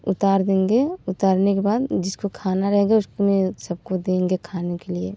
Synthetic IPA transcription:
ʊt̪aːɾd̪ẽːŋɡeʊt̪aːɾnekebaːd̪d͡ʒɪskokʰaːnaɾɐɦeːɡaʊskmẽsɐb̚kod̪ẽːŋɡekʰaːnekeliḛ

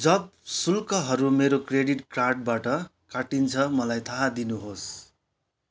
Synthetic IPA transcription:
d͡zʌb̚sulkʌɦʌɾumeɾokreɽiʈkrarʈ̚baʈʌ | kaʈint͡sʰʌmʌlajt̪ʰaɦad̪inuɦos

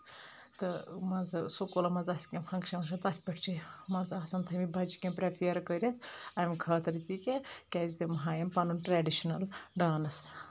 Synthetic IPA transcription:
t̪ɨmɐnzɨsokolɐmɐnzɐskʲempʰɐŋkʃɐmɐʃʰɐt̪ɐt̪ʲʰpɐʈʰt͡ʃimɐnzɐsɐnt̪ʰɐmibʱɐd͡ʒikʲẽmpɾepʰijɐɾkəɾʲɐt̪ʰɐmikʰɐːt̪ɐɾit̪ikekʲɛːzit̪emɐɦaːjɐmpɐnunʈɾɛːɖiʃɐnɐlɖaːnɐs

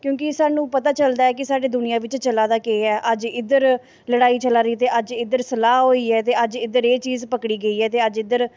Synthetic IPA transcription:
kjõːkɪsaːnũːpət̪aːt͡ʃəld̪aːɛːkɪsaːɖeːd̪ʊnɪjãːʋɪt͡ʃt͡ʃəlaːd̪aːkeːɛːʔəd͡ʒɪd̪əɾ | ləɽaːiːt͡ʃəlaːɾəiːt̪eːʔəd͡ʒɪd̪əɾsəlaːɦoːiːɛːt̪eːəd͡ʒɪd̪əɾeːt͡ʃiːzpəkɽiːɡəiːɛːt̪eːəd͡ʒɪd̪əɾ

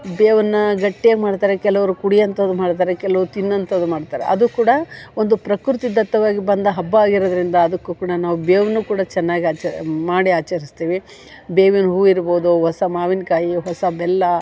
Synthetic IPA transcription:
beːʋɐnːɐɡɐʈːijaːɡimaːɖt̪aːɾekɛlɐʋɐɾukuɽijɐnt̪ɐd̪umaːɽt̪aːɾekɛlɐʋɾut̪inːɐnt̪ɐd̪umaːɽt̪aːɾḛʔɐd̪ukuːɽɐond̪upɾɐkɾut̪id̪ɐt̪ːɐʋaːɡibɐnd̪ɐɦɐbːaːɡiɾod̪ɐɾind̪ɐːd̪ɐkːukuːɽɐnaːʋubeːʋɐnːukuːɽɐt͡ʃɛnːaːɡiaːt͡ʃɐmaːɽiaːt͡ʃɐɾist̪iːʋi | beːʋinɦuːiɾboːd̪uɦɔsɐmaːʋinkaːjiɦɔsɐbɛlːɐ

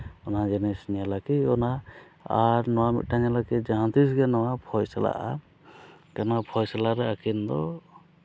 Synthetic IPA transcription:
ɔnazɛnɛsnijalakiɔna | aɾnɔwamḭt̪̚taɲalakid͡ʒãnt̪isɡɛnɔwapʰɔjsala̰ʔa̰ | kanapʰɔjsalaɾɛakind̪ɔ

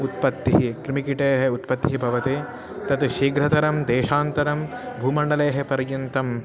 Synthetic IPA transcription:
ut̪̚pɐt̪ːiɦikɾimikiʈeːɦeut̪pɐt̪ːiɦibʱɐʋɐt̪eː | t̪ɐt̪uʃiːɡɾɐt̪ɐɾɐmd̪eːʃaːnt̪ɐɾɐm | bʱuːmɐɳɖɐleːɦepɐɾjunt̪ɐm

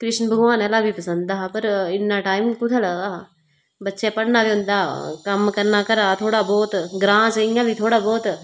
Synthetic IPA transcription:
kɾɪʃnbʱəɡʋaːnɛːlaːbʱiːpəsə̃nd̪d̪aːpəɾɪnːãːʈaːɪmkʊt̪ʰːləɡd̪aː | bətːʃẽːpəɽnaːbiːɦʊ̃nd̪aːkəmkəɾnaːkəɾaːt̪ʰoːɽaːbɔːt̪ɡɾãːt͡ʃəɪjãːbʱiːt̪ʰoːɽaːbɔːt̪

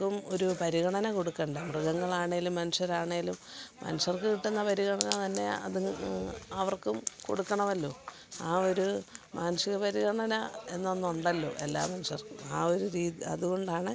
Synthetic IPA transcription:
umo̞ɾupɐɾiɣɐɳɐnɐko̞ɽukːɐːɳɖɨmrɨɣɐŋːɐɭaːɳeilumːɐnuʂɐɾaːɳeɡilummɐ̰nuʂɐrkɨkiʈːunːɐpɐɾiɣɐɳɐnɐt̪ɐnːe̞̰ɐ̰ð | ɐʋɐrkumko̞̰ɽukːɐɳɐmɐlːo̞̰ː | aːo̞ɾumʔaːnuʂiɣɐpɐɾiɣɐɳɐnɐe̞nːonːuuɳɖɐlːo̞̰ːʔe̞̰lːa̰ːmɐnuʂɐrkuaːo̞ɾuɾiːðiɐ̰ðuɣo̞ɳɖaːɳɨ

